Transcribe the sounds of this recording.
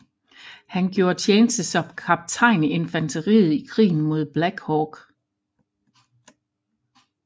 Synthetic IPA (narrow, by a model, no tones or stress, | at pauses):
hænɡ̥jo̝ːɐt͡sʰeːnəsd̥əsɒ̽mkʰɑ̈b̥̚t͡sʰɑ̈ɪ̰ne̝nfænt͡sʰəʁḭːð̩ˠikʰʁḭːn̩mo̝ð̞ˠb̥læɡ̥hɒɡ̥